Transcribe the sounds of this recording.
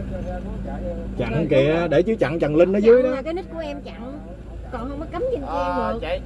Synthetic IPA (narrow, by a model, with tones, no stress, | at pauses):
t͡ɕa̰˧˨ŋ˨ŋki˨˩˧ɗe˧˩t͡ɕɨ˨˦t͡ɕa̰˧˨ŋt͡ɕə˨˩ŋlï˧n̟nəː˨˧˦zɨ˧˨˦jɗɔ˨˦˨ka˨˦jnɨ˦˥k̚ku˧˩əʔɛ˧mt͡ɕa̰˧˨ŋ | kɔ˨˩nhə˧wŋ͡mmɔː˨˦ka˨˦mt͡ɕi˧˩n˧ɨ˨˩ək